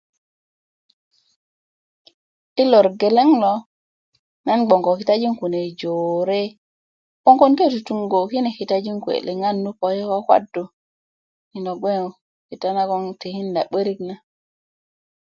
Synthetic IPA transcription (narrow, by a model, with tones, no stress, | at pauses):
i˦lo˨ɾɡe˨le˦ŋlo˦ | na˦nɡ͡bo˨ŋko˨ki˨ta˦d͡ʒi˦ŋku˨ne˨d͡ʒo˨ɾe˦ | ko˦ŋko˦nke˦tu˨tu˨˦ŋɡo˨ki˦ne˨ki˨ta˦d͡ʒi˦ŋku˨ḛ˨le˨ŋa˦nːu˦po˨je˦ko˦kwa̰˦dːu˨ | ni˨no˨ɡ͡be˦ŋ˨ | ki˨ta˦na˦ko˦ŋte˨hi˦nda˨ɓə˦ɾi˦k̚na˦